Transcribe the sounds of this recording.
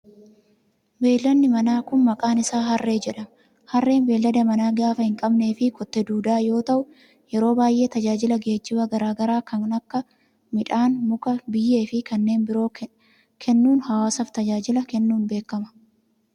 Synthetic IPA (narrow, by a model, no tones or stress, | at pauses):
be̞ːlːɐnːɪmɐnaːkʊnmɐkʼaːnɪsaːɦɐrːe̞ːd͡ʒɛᶑɐm | hɐrːe̞ːnbe̞ːlːɐd̪ɐmɐnaːɡaːfɐhɪŋkʼɐbne̞ːfɪkɔt̪ːɛd̪uːd̪aːjo̞ːt̪ɐʔʊ | jɛɾo̞ːbaːjʔe̞ːt̪ɐd͡ʒaːd͡ʒɪlɐɡe̞ːt͡ʃːɪbɐɡɐɾaːɡɐɾaːkɐnnɐkːɐ | mɪᶑaːnmʊkɐbɪjːe̞ːfɪkɐnːe̞ːnbɪɾo̞ː | kʰɛnːuːnhɐwaːsɐft̪ɐd͡ʒaːd͡ʒɪlɐkɛnːuːnbe̞ːkːɐmɐ̥